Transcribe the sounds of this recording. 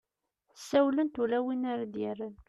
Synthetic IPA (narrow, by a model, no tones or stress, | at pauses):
θəsːæwlənt̪ulæwinaɾad̪jərːən